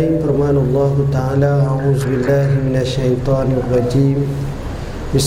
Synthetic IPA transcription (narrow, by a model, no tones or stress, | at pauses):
iːmfɐɾmaːnalˤːɑːɦʊt̪aʕaːlaːʔaʕuːzʊbɪlːaːɦɪmɪnaʃːɐjt̪ˤɑːnrˤːɑd͡ʒiːm | bɪs